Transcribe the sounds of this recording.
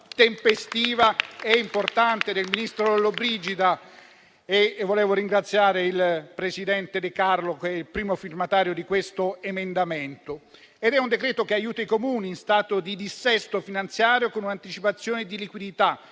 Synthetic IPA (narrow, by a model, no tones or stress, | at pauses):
t̪empest̪iːvaɛimport̪ant̪ed̪elminist̪ɾod̪elobɾid͡ʒid̪a | evoleːvoɾiŋɡɾat̪sːjaːɾeilpɾesid̪ɛnt̪ed̪ɪkarlokɛilpɾiːmofirmat̪aːɾjod̪ikwest̪oemend̪ament̪o | ed̪ɛund̪ekɾɛːt̪okeajuːt̪aikomuːniːnst̪aːt̪od̪id̪isːɛst̪ofinant̪sjaːɾjokonunant̪it͡ʃipat̪sːjoːned̪ilikwid̪it̪a